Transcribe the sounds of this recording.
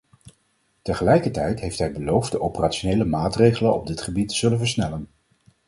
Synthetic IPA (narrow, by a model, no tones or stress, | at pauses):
təχəlɛjkəɹtɛjtɦejftɦɛjbəlowfd̚dəʔowpəraːt͡ʃonejləmaːtrejχələnɔ̰b̚dɪtχəbitəz̥ɵlənvəɹsnɛlən